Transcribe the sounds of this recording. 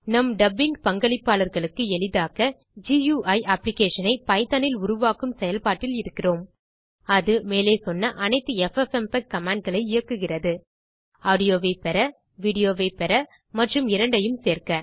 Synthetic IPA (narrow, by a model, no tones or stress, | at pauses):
nɐmɖɐbɪŋɡpɐŋɡɐɭɪpːaːlɐɾɣɐɭɯkːɯɛɭɪðaːɣɐ | d͡ʒijuːʔɐɪʔɐːplɪkeːʂɐnɐɪpɐɪt̪ɐnɪlʊɾʊʋaːkɯmsɛjɐlpaːʈːɪlɪɾɯkːɪroːm | ɐðɯmeːleːsɔnːɐʔɐnɐɪt̪ːɯɛfɛfɛmpɛkkːɐmaːɳɖ̚ɣɐɭɐɪɪjɐkːɯɣɪrɐðɯ | aːɽɪjoːʋeːpɛɾɐ | ʋiːɽɪjoːʋeːpɛɾɐ | mɐʈrɯmɪɾɐɳɖɐjɯmseːɾkɐ